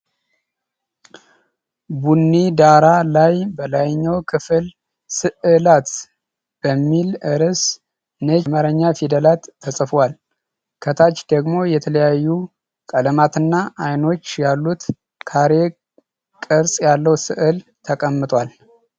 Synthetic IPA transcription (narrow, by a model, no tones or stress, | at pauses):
bunːid̪aɾalajbəlajɲːawkʰɨfɨl | sɨʔɨlat̪ | b̥əmːilʔɨɾəs | ɨneməɾəɲːafid̪əlat̪ʰːəsʼɨfwal | kʰət̪ʰat͡ʃːd̪əɡmo̞jɛt̪ʰələjajːu | kʼələmat̪ɨnːaʔajno̞t͡ʃːjalːut̪ | kʰaɾe̞ | kʼəɾsʼjalːəwsɨʔɨlt̪ʰəkʼəmːɨt̪ʼwal